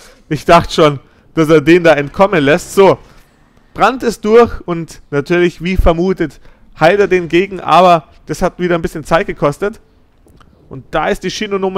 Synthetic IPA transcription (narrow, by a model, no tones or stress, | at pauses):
ʔɪçd̥aχtə̥ʃoːn | d̥aseːɐdeːndaːɛntkʰɔmənlɛstz̥oː | b̥ʁantɪstd̥ʊɐçʊntnatʰyːɐlɪçv̥iːfɛɐmuːtət | haɪlteːɐdeːnɡeːɡŋ̩ʔa̰ːβɐ | d̥ashatv̥iːɾɐnbɪsçənt͡saɪt̚ɡ̥əkʰɔstət | ʔʊnt̚d̥aːɪst̚d̥iːʃinonoːm